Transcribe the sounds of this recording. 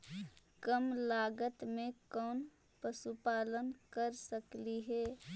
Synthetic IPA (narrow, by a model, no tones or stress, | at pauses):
kəmlaːɡət̪mẽkɔːn | pəsupaːlənkəɾsəkliɦɛː